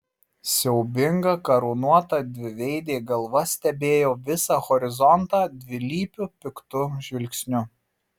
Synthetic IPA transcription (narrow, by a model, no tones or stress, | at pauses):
sʲɛʊbʲɪŋɡɐkɐɾonuɔt̪ɑd̪ʲʋʲɪʋʲɛɪd̪ʲeːɡɐlˠʋɐsʲt̪ʲɛbʲeːjoːʋʲɪsɑxɔɾʲɪzɔnt̪ɑːd̪ʲʋʲɪlʲiːpʲʊpʲɪkt̪ʊʒʲʋʲɪlʲkʲsʲnʲʊ